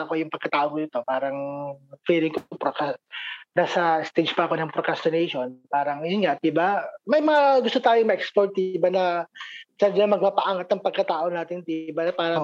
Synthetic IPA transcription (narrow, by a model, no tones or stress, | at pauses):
ɐko̞jʊŋpɐɡ̚kɐt̪aːʔoŋnɪt̪o̞paːɾɐŋfiːlɪŋkopɾokasnaːsɐɪst̪ɛd͡ʒpɐʔɐko̞nɐŋpɾokɾast̪onejʃonpaːɾɐŋjʊnŋaʔt̪̚ibamɐjmɐŋaɡʊst̪ot̪aːjoŋmɐʔɛkspoɹt̪̚ːibanɐ | t͡ʃad͡ʒɐŋmɐɡ̚paːpɐʔaŋat̪̚nɐŋpɐɡ̚kɐt̪aːʔonaːt̪ɪnt̪ibanɐpaːɾɐŋ